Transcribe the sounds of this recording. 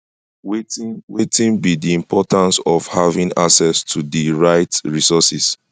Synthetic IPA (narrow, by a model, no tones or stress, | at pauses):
wewetĩnbidiĩmpɔtʰãnsɔfhavĩŋa̰ksɛstʰudiɹaɪtɹisɔsis